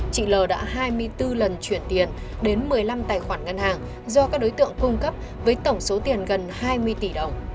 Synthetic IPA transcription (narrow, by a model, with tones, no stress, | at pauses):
t͡ɕḭ˧˨ləː˨˩ɗa̰ː˧˥ɦaː˧jmɨ˧əjt̪ɨ˧lə˨˩nt͡ɕwi˧˩ənt̪i˨˩ən | ɗe˨˦nmɨ˨˩əjla˧mt̪aː˨˩jxwaː˧˩nŋə˧nhaː˨˩ŋ | zɔ˧kaː˦˥k̚ɗo˨˦jt̪ɨ̰˧˨əŋkʊ˧ŋ͡mkə˦˥p̚ | vəː˨˦jt̪ə˧˩wŋ͡mso˨˦t̪i˨˩ənɣə˨˩nhaː˧jmɨ˧əjt̪i˧˩ɗə˨˩wŋ͡m